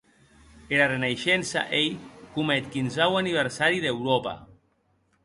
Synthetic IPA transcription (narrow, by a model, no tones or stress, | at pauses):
eɾarenaʃɛnsa̰ʔejkumɛt̪kinzawaniβ̞eɾsaɾiðewɾopa̰